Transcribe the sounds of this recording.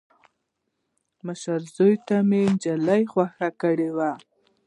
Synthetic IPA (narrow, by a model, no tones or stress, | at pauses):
məʃaɾzojt̪amend͡ʒalajxwaxakəɽewa